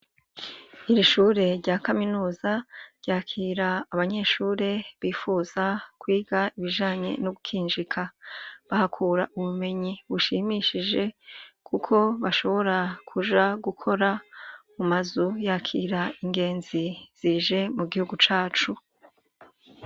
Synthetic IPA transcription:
iɾiʃuɾe̞ɾɟaːkaminuːzaɾɟaːkʰiːɾaːβaɲe̞ʃuːɾe̞βiːfuz̥akwiːɡaiβiʒaːɲe̞̰noɡukʰiːnʒikʰaβahakʰuːɾaʔuβume̞ɲiβuʃiːmiʃiʒe̞kʰukʰo̞βaʃo̞βo̞ɾakʰuʒaɡukʰo̞ɾamumazujaːkʰiːɾaiŋɡe̞ːnziz̥iʒe̞muɡihuɡut͡ʃaːt͡ʃu

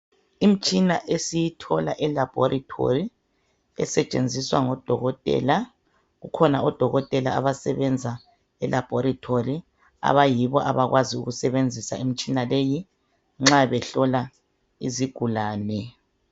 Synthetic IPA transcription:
im̩t͡ʃʼinaʔesijitʰɔlaʔɛlab̥ʱɔrʔitʰo̰ri | ɛsɛt͡ʃʼend͡zʱiswa̰ŋɔd̥ʱɔɣɔtʼɛ̰ːla | ɣukʰɔnaɔd̥ʱɔɣɔtʼɛla̰ːβasɛβɛnd͡zʱa | ɛlʔab̥ʱɔɾitʰori | a̰βajiβɔʔa̰βaɣwaziṵɣusɛβend͡zʱisa̰im̩t͡ʃʼinaleji | ŋ͡ǁaβɛɬɔla | ḭziɡ̥ʱulaːnɛ

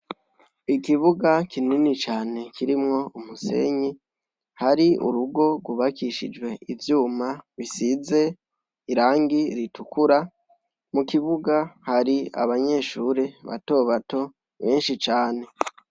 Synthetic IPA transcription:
ikiβuɡakʰininit͡ʃaːne̞kʰiɾimŋo̞umuse̞̰ɲi | haɾiṵɾuɡo̞ɡwuβakiʃid͡ʒɡwe̞ivjuːmaβisize̞ | iɾaːŋɡiɾitukuɾa | mukiβuɡahaɾia̰βaɲe̞ːʃuːɾeβa̰to̞βato̞ | βe̞ːnʃit͡ʃaːne̞

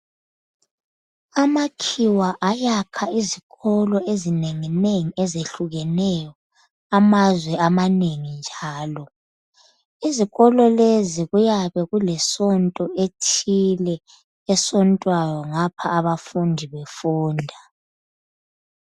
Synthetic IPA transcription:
amakʰiwaʔajakʰaiziɣɔlɔezineŋineŋiɛzeɬuɣɛnɛjɔ | amazwɛamaneŋind͡ʒʱaːlɔ | iziɣɔlɔleziɣujaβɛɣulɛsɔntʼɔʔetʰilɛː | sɔntʼwajɔŋapʰaːβafundʱiβefuːndʱa

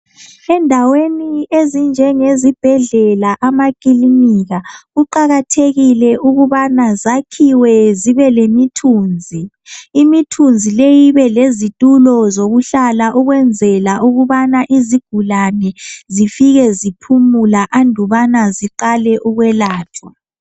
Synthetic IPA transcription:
ɛndʱaweniezind͡ʒʱɛŋezib̥ʱɛɮɛlaʔamakʼiliniɣaɣuǃaɣatʰeɣilɛʔuɣuβanazakʰiwɛziβɛlemitʰuːnd͡zʱiː | mitʰund͡zʱilejiβɛlezitʼulɔzoɣuɬalaʔuɣwɛnd͡zʱɛlauɣuβanaʔiziɡ̥ʱulanɛzifiɣɛzipʰumulaʔandʱuβanaziǃalɛʔuɣwɛlaːtʰwa

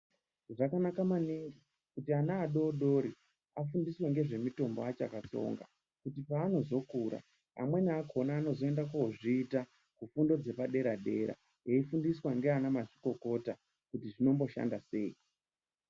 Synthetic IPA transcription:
ʐakanakamaniŋɡi | kutianaːɗo̞ːɗo̞ɾi | afundisweŋɡe̞ʐe̞mito̞mboat͡ʃakat͡so̞̰ŋɡa̰ | kutipaːno̞zo̞kuɾa̰ | a̰mwe̞niakʰo̞naːno̞zo̞e̞ndak̬oʐiːta | kufundo̞d͡ze̞paɗe̞ɾaɗe̞ɾa̰ | jeifundiswaŋɡeanamaʐi̥ko̞ko̞ta | kutiʐino̞mbo̞ʃa̰ndase̞̰i

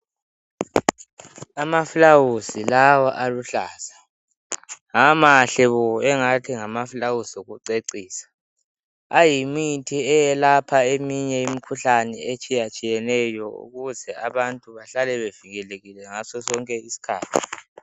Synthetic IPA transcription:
amafulawusilawaʔaluɬaːsḁ | amaɬɛβɔɛŋatʰiŋamafulawusiuɣuǀeǀiːsḁ | ajimitʰiɛjɛlapʰaemiɲɛimikʰuɬanɛ̰et͡ʃʼijat͡ʃʼijɛnɛjɔṵɣuzɛaβantʼuβaɬalɛβeviɣɛleɣilɛŋasɔsɔŋkʼɛisi̥kʰaːtʰi̥

